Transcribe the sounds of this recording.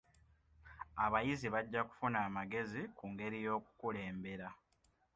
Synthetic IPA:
aβajiziβaɟːaku̥funaːmaɡe̞zikuŋɡe̞ɾijo̞ːkukule̞ːmbe̞ɾa

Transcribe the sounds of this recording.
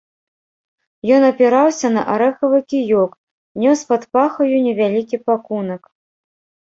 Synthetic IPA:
jɔnɐpʲɛɾawsʲɐnɐ̰ʔaɾɛxɐvɨkʲijɔk | nʲɔspat̪paxɐjunʲɛvʲalʲikʲipakunɐk

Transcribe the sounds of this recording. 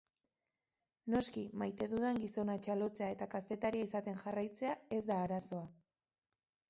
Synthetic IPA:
no̞skimajt̪e̞ðuðeŋɡiso̞nat͡ʃalo̞t͡se̞ae̞t̪akase̞t̪aɾiaisat̪e̞nʝarajt͡se̞ae̞zd̪aːɾaso̞a

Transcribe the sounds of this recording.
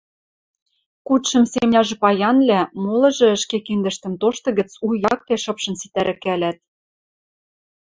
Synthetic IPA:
kut̪ʃɤ̆msemnʲɑʒɤ̆pɑjɑnlæmolɤ̆ʒɤ̆ə̆ʃkekind̪ə̆ʃt̪ə̆mt̪oʃt̪ɤ̆ɣə̆t͡sujɑk̚t̪eʃɤ̆pʃɤ̆nsit̪æɾʔɘ̆kælæt̪̚

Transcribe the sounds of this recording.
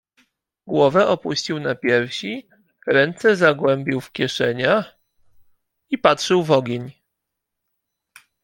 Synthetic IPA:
ɡwɔvɛʔɔpuɕt͡ɕiwnapʲjɛɾfɕi | ɾɛnt̪sɛzaɡwɛmbʲiwfkʲjɛʂɛɲax | ipatʂɘwvɔɡʲeɲ

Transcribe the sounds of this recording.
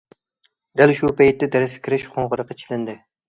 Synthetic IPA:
d̪̥ælʃupɛjt̪ːɛd̪ɛɾɪskʲʰiɾɪʃχʰoɴʁʊɾəqːɑt͡ʃʰilɪnd̪ɪ

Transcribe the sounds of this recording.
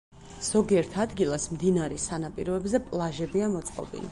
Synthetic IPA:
z̥ɔɡiɛɾt̪ʰad̪ɡilˠasmd̪inaɾɛsanapʼiɾɔɛbzɛpʼlˠaʒɛbiamɔt̪sʼqʼɔ̰bḭnḭ

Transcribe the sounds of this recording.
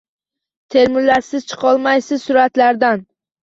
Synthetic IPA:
t̪ʰe̞ɾmɪɾlːaɾsɪz̥t͡ʃʰɨ̥qʰɒlˠmajsɪzsʊɾat̪laɾd̪an

